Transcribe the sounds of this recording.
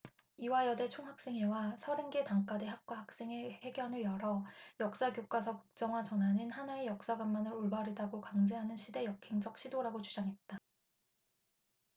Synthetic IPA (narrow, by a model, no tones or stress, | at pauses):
iwajʌde̞t͡ɕʰoŋɦak̚s͈e̞ŋɦewasʰʌɾenɡe̞taŋk͈ade̞ɦak̚k͈waɦak̚s͈e̞ŋee̞ɡjʌnɯɭjʌɾʌjʌk̚s͈aɡjok͈asʰʌkɯ̥k̚t͡ɕ͈ʌŋwat͡ɕʌnɦaɲinhanaejʌk̚s͈aɡamːanɯɾoɭbaɾɯdaɡokaŋd͡ʑʰeɦanɯnɕʰide̞jʌkʰeŋd͡ʑʌk̚ɕ͈ʰidoɾaɡot͡ɕud͡ʑaŋɦe̞t̚t͈a